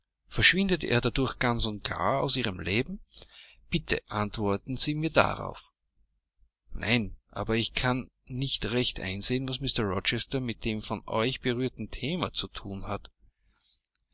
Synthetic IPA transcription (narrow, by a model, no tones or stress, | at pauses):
fɛɐʃv̥ɪndətḛːɐdadʊɐçɡ̥ant͡sʊnt̚ɡ̥a̰ːɐa̰ʊsiːʁəmlʔeːbm̩ | b̥ɪtʰə̰ʔantv̥ɔɐtn̩ziːmiːɐda̰ʁa̰ʊf | nʔa̰ɪnʔa̰ːbɐɪçkʰanː | ɪçtʁɛçtʔa̰ɪnzeːənvasmɪstɐʁɔt͡ʃɛstɐmɪt̚d̥eːmfɔnʔɔ̰ʏçb̥əʁyːɐtn̩tʰeːmat͡sutʰuːnhat